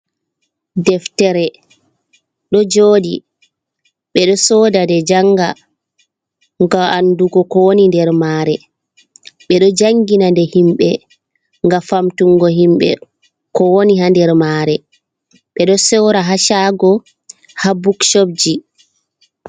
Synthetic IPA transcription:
dɛftɛɾɛ | ɗɔd͡ʒoːdḭ | ɓɛɗɔsɔːdadɛd͡ʒaŋɡa | ŋɡɔanduɡɔkɔwonindɛɾmaːɾɛ | ɓɛɗɔd͡ʒaŋɡinandɛhimɓɛ | ŋɡafamtuŋɡɔɦimɓɛ̰ | kɔwoniɦandɛɾmaːɾɛ | ɓɛɗɔsɛwɾaɦaʃaɡɔ | habukʃob̚d͡ʒi

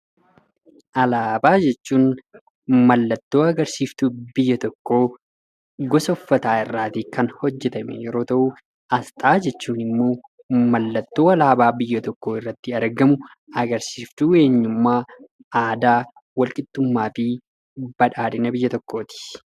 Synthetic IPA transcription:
ʔɐlaːbaːd͡ʒɛt͡ʃːuːn | mɐlːɐt̪ːo̞ːɐɡɐɾsiːft̪ʊbɪjːɐt̪ɔkːo̞ː | ɡɔsɔfːɐt̪aːɪrːaːt̪ɪkɐnhɔd͡ʒːɛt̪ɐmɛ̰jɛɾo̞ːt̪ɐʔuː | ʔɐst̪ʼaːd͡ʒɛt͡ʃːuːnɪmːo̞ː | mɐlːɐt̪ːo̞ːɐlaːbaːbɪjːɐt̪ɔkːoːɪrːɐt̪ːɪɐɾɡɐmʊ | ɐɡɐɾsiːft̪uːe̞ːɲːʊmːaː | aːd̪aː | wɐlkʼɪd̪ːʊmːaːfɪ | bɐᶑaːᶑɪnɐbɪjːɐt̪ɔkːo̞ːt̪ɪ̥

